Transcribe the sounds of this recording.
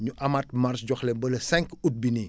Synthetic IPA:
ɲuʔɐmat̚marsɟɔxlɛbəlɐsɛŋkut̚bini

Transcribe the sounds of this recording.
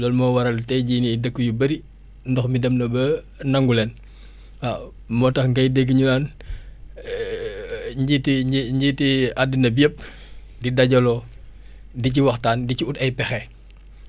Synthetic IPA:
lɔːlmɔːwɐɾɐltɛjɟinidəkːujubɐɾi | ndɔxmidɐmnɐbɐ | nɐŋɡulɛn | a | mɔtɐxŋɡɐjdɛɡːəɲunaːn | ɲɟitiiɲɟiːtiadinɐbiəp̚ | didaɟɔlɔ | diciwɐxtaːndiciutɐjpɛxɛ

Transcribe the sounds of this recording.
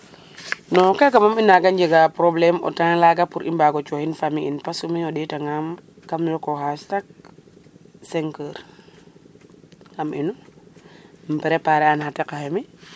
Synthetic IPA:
nɔkakamaminaɡand͡ʒeɡapɾoblɛmɔ̰tanlaɡapuɾʔḭmbaɡot͡ʃɔhinfamiinpasumiɔɗitaŋam | kamlɔkɔhastak̚ | seŋkəːɾ | ŋamʔḭnu | mpɛɾepaɾɛanhatekahemi

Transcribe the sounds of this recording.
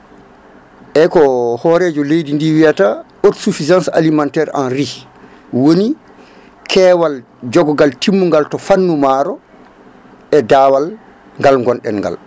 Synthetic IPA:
ʔɛkɔhɔɾɛːd͡ʒɔlejdindiwijata | otsufizansa̰limantɛɾa̰nɾi | woni | kʰɛːwal | d͡ʒɔɡɔɡaltimːuŋɡaltɔfanːumaːɾɔ | ʔɛdaːwal | ŋɡalŋɡɔnɗɛnŋɡa̰l

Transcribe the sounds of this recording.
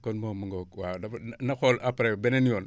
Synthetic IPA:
konmomaŋɡokwadafnnaxolʔapɾebenenijon

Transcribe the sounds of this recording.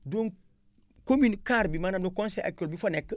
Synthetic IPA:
doŋ | kominkaɾbimanadokõnseʔa̰k̚tolbifonekː

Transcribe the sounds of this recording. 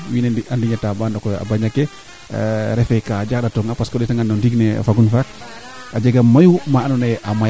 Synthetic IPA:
winɛandiɲatabandɔkɔa̰baɲakɛ | ɾɛfɛkad͡ʒak̚ɗatɔŋɡapaskɔɗɛtaŋɡanːɔndiɡnɛ̰faɡunfak̚ | ad͡ʒeɡamːajumaanɔnɛʔama

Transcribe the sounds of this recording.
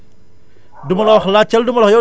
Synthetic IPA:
dumɐlɔxlat͡ʃɐldumɐlɔxjɔ

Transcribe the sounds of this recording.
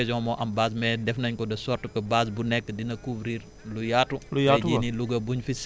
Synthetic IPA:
ɛzɔ̃ːmɔʔɐmbaːs̬mɛdɛfnɐɲkɔdɐsɔrtukɐbasbunɛkːədinɐkuvɾiːɾ | lujatːulujad͡ʒiniluɡɐbuɲfis

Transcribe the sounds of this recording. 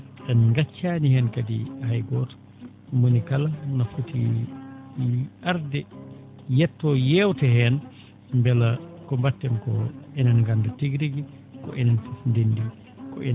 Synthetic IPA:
ʔɛnŋɡat͡ʃːaːnihɛnkadḭhajɡɔtɔ̥ | monikalanafutḭ | aɾdɛ | jɛtːɔjɛwtɛhɛn | mbɛlakɔmbatːɛmkɔ̰ɛnanŋɡandɛtiɡɾiɡi | kɔ̰ʔɛnantndendi | kɔ̰ʔɛ

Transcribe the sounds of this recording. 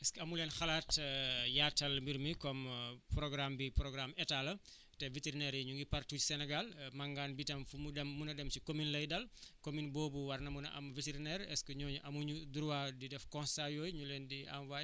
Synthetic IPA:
ɛskəɐmuleːnxɐlaːtjatːɐlmbiɾmikɔmpɾɔɡɾambipɾɔɡɾamɛtalɐ | tɛviteɾinɛɾiɲuŋɡipɐrtucsɛnɛɡalmɐŋɡaːnbitɐmfumudɛmːunɐdɛmsikominlɐjdɐlkominboːbuwɐrnɐmunɐ̰ʔɐ̰mviteɾinɛɾɛskəɲɔːɲuʔɐmuɲuduɾwadidɛfkɔ̃nsajɔːjɲuleːndia̰mwa

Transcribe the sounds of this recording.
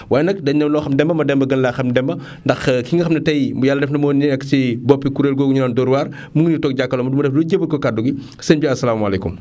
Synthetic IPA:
waːjɛnɐk̚dɐɲnɐmlɔːxɐmdɛmbɐmɐdɛmbɐɡɐnlaxɐmdɛmbɐ | ndɐxkiŋɡɐxɐmnɐtɐjmjalːɐdɛfnɐmɔːnːinɛkːə̥t͡ʃibɔpːikuɾeːlɡoːɡuɲunɔːndɔɾuwaːr | muŋɡnitɔːk̚ɟakːɐlɔmɐdumɐdɛfduːɟəbːəkɔkaduɡi | senbiɐsːɐlaːmɐlekṵm

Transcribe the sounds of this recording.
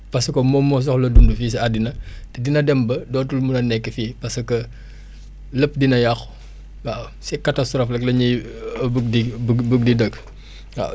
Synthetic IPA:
pɐsɐkɔmɔmːɔs̬ɔxlɐdundufiːs̬ɐadinɐtɛdinɐdɛmbɐdɔːtulmunɐnɛkːifiːpɐsɐkɐ | ləp̚ːdinɐjɐx | wa | sɛkatastɾɔːflɐklɐɲijɐbəɡ̚dibəɡ̚didəɡ | a̰

